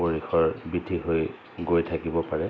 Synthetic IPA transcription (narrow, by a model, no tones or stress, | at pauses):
oɹixʰɔɹbidʱiɦoj | ɡojtʰakibɔpaɹɛ